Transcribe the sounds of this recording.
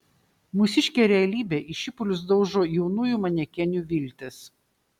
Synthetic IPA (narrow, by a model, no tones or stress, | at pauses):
mʊsʲɪʃʲkʲeːɾʲɛɐlʲiːbʲeːʔɪʃʲɪpʊlʲʊs̬d̪ɒʊʒoːjɛʊnuːjuˑmɐnʲɛkʲɛnʲuːʋʲɪlʲt̪ʲɪs